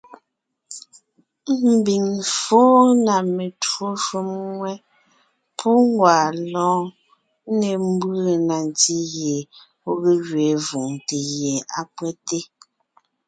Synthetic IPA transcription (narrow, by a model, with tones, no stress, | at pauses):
m̩˨bi˨ŋfoː˦na˨me˨two˦ʃu˦mwɛ˦ | pʰu˦ŋ˦ɡwaː˨lɔ̃ː˨˦ | ne˨m˦bə˦˨na˨nti˦ɣje˨ | o˦ɣe˦ɣɥeː˨˦vu˨ŋte˨ɣjɛ˨a˦˨pwɛ˦te˦